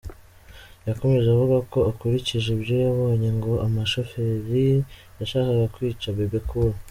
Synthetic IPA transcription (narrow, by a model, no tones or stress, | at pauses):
jako̞me̞ʒeavuɡako̞akuɾiciʒebɟo̞jaβo̞ːɲe̞ŋɡo̞ʔamaʃofe̞ɾi | jaʃaːkaɡakwiːt͡ʃaβebekuɾo